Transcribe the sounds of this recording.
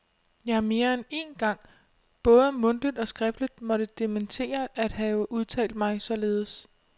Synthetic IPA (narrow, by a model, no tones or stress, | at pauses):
jɑ̈hæɐme̝ːɐene̝nɡ̥ɑ̈ŋ̰ | b̥ɔ̽ːð̞ˠəmɔ̽nd̥id̥ɒ̽sɡ̥ʁɛfd̥lid̥mɒ̽ɾ̥əd̥e̝ment͡sʰe̝̰ːɐʔæd̥hɛːʊʔuðˠt͡sʰɛ̰ːld̥̚mɑ̈ɪsɒ̽le̝ːð̞ˠəs